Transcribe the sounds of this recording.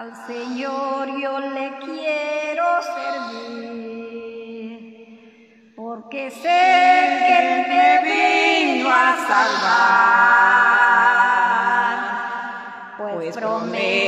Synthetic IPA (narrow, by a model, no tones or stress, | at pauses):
alseɲoɾjolekjeɾoseɾði | ɾ | poɾkesekelðeβinoasalβa | ɾ | pwepɾome